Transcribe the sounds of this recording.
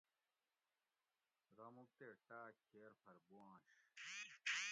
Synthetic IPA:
ɣɐmuk̚t̪eʈaːkʰeːɾpʰɐɾboãːɕ

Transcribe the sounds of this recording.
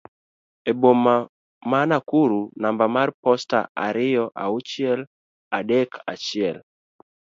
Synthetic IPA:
ebomːa | manakuɾunambamarpɔsta̰ʔa̰ɾɪjɔʔa̰ut͡ʃɪɛl | adɛkʰa̰t͡ʃɪɛl

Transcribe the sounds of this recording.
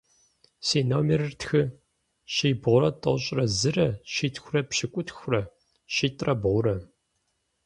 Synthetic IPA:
seːnoːmerɨrtxɨ | ɕiːbʁʷʊɾɐtʰʼɐwɕʼrɐzɨrɐʃiːtʰxʷrɐpɕɪkʷʼʊtxʷʊrɐ | ɕiːtʼrɐbʁʷʊɾɐ

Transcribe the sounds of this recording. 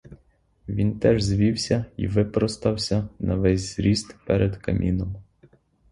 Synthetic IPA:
ʋʲint̪ɛʒzʋʲiwsʲɐḭʋɪpɾɔst̪ɐwsʲɐnɐʋɛsʲzɾʲist̪pɛɾʔed̪kɐmʲʔinɔm

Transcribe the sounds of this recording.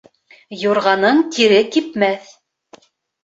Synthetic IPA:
juɾʁɑnɤɴt̪iɾɘkipmæθ

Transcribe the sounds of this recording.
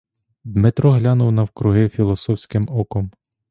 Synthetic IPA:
d̪mɪt̪ɾɔɦlʲanʊwnɐwkɾʊɦɪfʲilˠɔsɔwsʲkɪmɔkɔm

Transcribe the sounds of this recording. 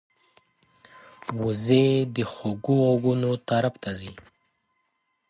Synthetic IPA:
wuzed̪əxoɡuoɡunot̪aɾapt̪azi

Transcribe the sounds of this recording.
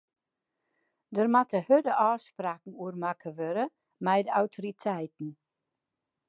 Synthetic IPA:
dərmatəhødəʔɔːspraːkŋ̩uərmakʰəʋøɾə | mɛjdəawtʰoritʰɛjtn̩

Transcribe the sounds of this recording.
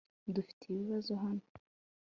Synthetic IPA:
dufi̥tʰeβiβazo̞ɦano

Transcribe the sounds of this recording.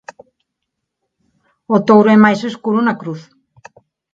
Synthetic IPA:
ot̪owɾoemajseskuɾunakɾuθ

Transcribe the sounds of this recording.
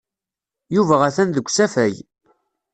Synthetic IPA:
juvæʁæθænðəɡʷsæfæj

